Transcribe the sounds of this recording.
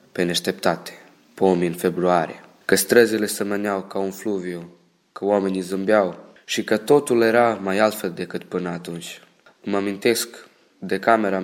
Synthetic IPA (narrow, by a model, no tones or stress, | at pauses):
peneʃt̪e̞pt̪at̪e̥ | pomiɨnfebɾuaɾḭe | kəst̪ɾəzile̞səmənjawkaunfluviu | kəwamenizɨmbjaw | ʃikət̪o̞t̪ule̞ɾamajalt̪fe̞ld̪e̞kɨt̪pɨnəat̪unt͡ʃʲ | ɨmamint̪e̞sk | d̪ekame̞ɾa